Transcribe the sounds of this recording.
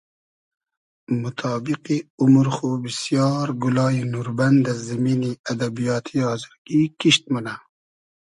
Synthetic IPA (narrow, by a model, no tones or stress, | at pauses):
mut̪ʰɑːbiqiumuɾxubisjɑːɾɡulɑːjinuːɾband̪azːimiːniad̪abijɑːt̪ʰiɑːzɪɾɡikiʃt̪muna